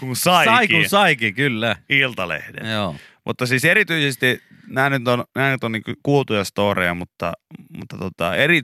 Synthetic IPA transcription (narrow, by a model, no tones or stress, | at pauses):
kunsɑiɑikunsɑikikylːæilt̪ɑlḛhdḛnjoː | mʔut̪ːɑsiːserit̪yisest̪i | næːnyt̪onnæːnyt̪oniːŋkøkuot̪ujɑst̪oːrejɑmut̪ːɑ̰mṵt̪ːɑt̪uot̪ɑ̰eri